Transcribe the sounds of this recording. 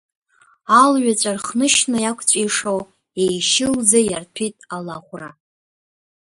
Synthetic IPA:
alɥat͡ɕʷʼarχnɨʃnajakʷʰʼt͡ɕʷʼiʂow | ejʃɪld͡zajartʰitʼalaχʷra

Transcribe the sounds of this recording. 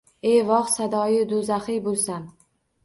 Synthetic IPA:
e̞vɒχsad̪ɒjɪd̪ozaχɪjbolˠsam

